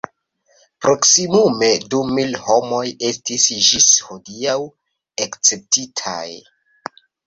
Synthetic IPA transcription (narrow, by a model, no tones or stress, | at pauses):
pɾo̞ksimume̞dumilho̞mo̞je̞stisd͡ʒisho̞diaw | ekt͡se̞p̚titʰa̰j